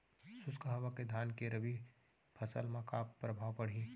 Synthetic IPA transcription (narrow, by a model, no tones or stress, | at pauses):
sʊskəɦʋaked̪ʱaːnkeɾəbi | pʰəsə̰lmãkaːppːɾəbʱaːwpəɽ̤ĩ